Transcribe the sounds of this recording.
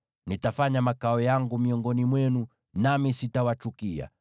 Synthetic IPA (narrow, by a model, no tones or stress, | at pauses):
nitafaɲamakaɔjaŋɡumiɔŋɡɔnimwɛnu | namisitawat͡ʃukia̰